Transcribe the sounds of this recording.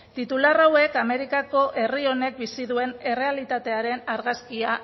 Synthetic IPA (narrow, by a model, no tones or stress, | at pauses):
t̪it̪ularawe̞kame̞ɾikako̞ʔe̞rio̞ne̞k̚bisiðue̞ne̞re̞alit̪at̪e̞aɾe̞naɾɣaskia